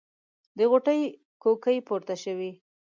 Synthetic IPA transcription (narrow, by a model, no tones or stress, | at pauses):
d̪əɣoʈəj | kokəjpoɾt̪aʃəwi